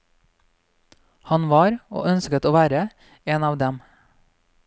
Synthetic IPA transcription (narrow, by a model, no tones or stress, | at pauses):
hɑnʋɑːɾo̰ːʔœnskət̪oːʋæːɾə | eːnɑːʋd̪ɛm